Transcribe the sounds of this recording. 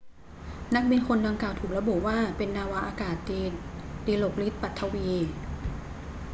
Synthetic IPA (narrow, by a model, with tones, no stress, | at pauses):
na˦˥k̚bi˧nkʰo˧nda˧ŋklaː˨˩wt̪ʰuː˨˩k̚ɾa˧bu˨˩ʔwaː˥˩pe˧nːaː˧waː˧ʔaː˧kaː˨˩t̪ːi˧d̪iː˧lo˨˩k̚li˦˥t̪̚pa˨˩t̪ʰːa˧wiː˧